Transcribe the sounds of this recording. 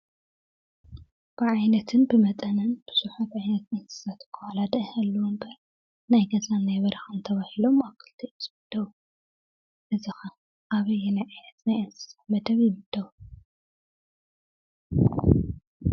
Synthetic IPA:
b̥ɨʕajnɐt̪ʰɨnbɨmɐt̪ʼɐnɐnb̥ɨsuħat̪ʕajnɐt̪ʔɐnsɨ̥sat̪kʰːɐwalad̪ɐʔhalːɐwombɐɾ | najɡɐzanajβɐɾɐxɨnt̪ʰɐβahilo̞maβkʰɨlt̪ʰiʔɨzʼbɨd̪̥ɐwu | ʔɨzixɐ | ʔaβɐjɛnajʕajnɐt̪najʔɨnsɨ̥sat̪mɐd̪ɐβjɪβɨd̪̥ɐwu

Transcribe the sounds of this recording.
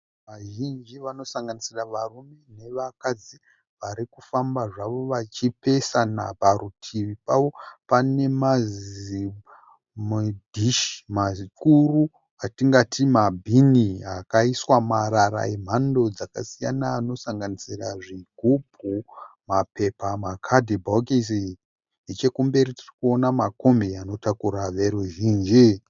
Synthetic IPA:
ʋaʒind͡ʒiʋano̞saŋɡanisiraʋarume̞ne̞ʋakad͡zi | ʋaɾikufambaʐaʋo̞ʋat͡ʃipe̞sana̰bʱarutʰiʋipaʋo̞pane̞mazi | mdʱiʃi̥makuru | atiŋɡatimabʱiniakaiswamaɾaɾa̰im̤ando̞d͡zakasijanaːno̞saŋɡanisiraʐiɡʱupʰumape̞pamakʰadʱibʱakisi | et͡ʃekumbe̞ɾitirikuonamako̞mbeano̞takuɾaʋe̞ɾuʒiːnd͡ʒi

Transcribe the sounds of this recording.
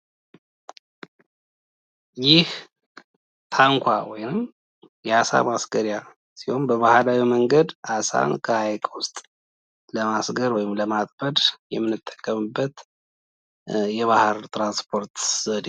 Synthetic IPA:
jɪh | t̪ʰaŋkʷʰa̰wɔjnɨm | jɛasa̰masɡəɾja | siho̞nbəβahlawiməŋɡəd̪ʔasa̰nkʰəhajkʰʼwʊst̪ʼ | ləmasɡəɾwɔjɪmləmat̪ʼbəd̪jɛmːɨnːɨt̪ʼːə̥kʼːəmɨbːət̪ | jɛβahɨɾt̪ʰɾanspʰo̞ɾt̪z̥əd̪

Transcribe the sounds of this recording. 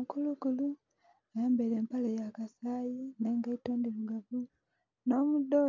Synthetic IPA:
mkulukulu | ajaːmbeleːmpalejakasaːjineŋɡaitoːndiluɡavu | no̞ːmudo

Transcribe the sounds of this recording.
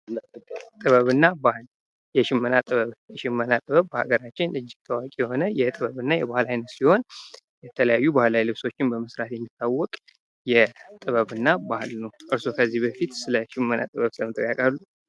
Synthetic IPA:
t̪ʼɨβəβɨnːabahɨl | jɛʃɪmːənat̪ʼɨβəβjɛʃɪmːənat̪ʼɨβəβbəha̰ɡəɾat͡ʃːɪnɨd͡ʒːɪɡt̪ʰəwakʼijɛho̞nəjɛt̪ʼɨβəβɨnːajɛbahlajnət̪siho̞n | jɛt̪ʰələjajːubahlajlɨβso̞t͡ʃːɪnbəmɨsɾat̪jɛmːit̪ʰːawːɔkʼ | jɛt̪ʼɨβəβɨnːabahɨlnəwʔɨɾsokʰəzːihbəfit̪sɨləʃɪmːənʔa̰t̪ʼɨβəβsɨləmɨt̪ʼəjakʼalːu

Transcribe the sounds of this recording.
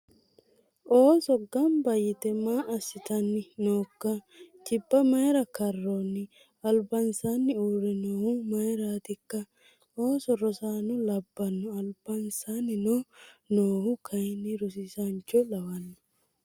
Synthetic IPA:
ʔoːsɔɡɐmbɐjɪt̪ɛmaːʔɐsːɪt̪ɐnːɪnoːkːɐ | t͡ʃɪbːɐmɐjɾɐkɐrːɔnːɪ | ɐlbɐnsanːɪuːɾɛnoːhʊmɐjɾaːt̪ɪkːɐ | oːsɔɾɔsaːnʊlɐbːɐnːʊɐlbɐnsanːɪnɔnoːhʊkʰɐjnːɪɾʊs̬ɪsɐnt͡ʃːɔlɐwɐnːɔ̥

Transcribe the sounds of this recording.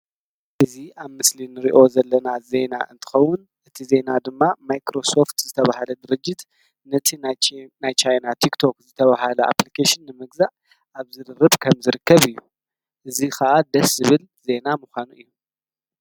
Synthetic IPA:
ʔɨziaβmɨslinɨɾiʔo̞zɐlːɐnaze̞na̰ʔɨ̰nt̪ʰɨ̥xɐwʊn | ʔɨt̪ʰize̞nad̪ɨmːamajkɾo̞so̞ft̪zɨt̪ʰɐβahalɐd̪ɨɾɨd͡ʒːɪt̪ | nɐt̪ʰinnajt͡ʃʰajnat̪ʰikt̪ʰo̞kzɨt̪ʰɐβahalɐʔa̰plikʰaʃɪnːɨmɨɡzaʔ | ʔaβzɨd̪ɨrɨβkʰɐmzɨɾɨkʰːɐβɨjːu | ʔɨzikʰɐʔad̪ɐszɨβɨl | ze̞namuxʷanuʔɨjːu

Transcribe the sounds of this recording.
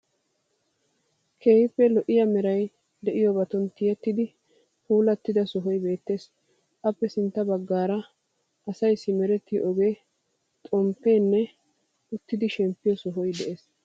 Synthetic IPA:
kʰeːhɪpːɛlɔʔɪjɐmɛɾɐj | d̪ɛʔɪjɔbɐt̪ɔnt̪ɪjɛt̪ːɪd̪ɪ | puːlɐt̪ːɪd̪ɐsɔɦɔjbe̞ːt̪ːe̞ːs | ʔɐpːɛsɪnt̪ːɐbɐɡːaːɾɐ | ɐsɐjsːɪmɛɾɛt̪ːɪʔɔɡe̞ː | t̪ʼɔmpːeːnːɛ | ʊt̪ːɪd̪ɪʃɛmpːɪjɔsɔɦɔjd̪ɛʔeːs

